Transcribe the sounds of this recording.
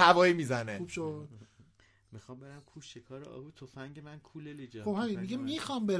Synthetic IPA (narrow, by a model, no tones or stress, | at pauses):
ævɒːimiːzæneuːbʃod̪̥ | mixɒmbeɾæmkʰuʃekʰɒːɾeʔɒ̰ːhujt̪ʰofæŋɟemænkʰuːlelid͡ʒɒxobhæminmiɡemixɒmbe